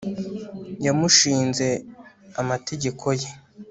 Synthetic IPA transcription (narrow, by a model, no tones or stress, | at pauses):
jamuʃiːnze̞amate̞ɟe̞kʰo̞je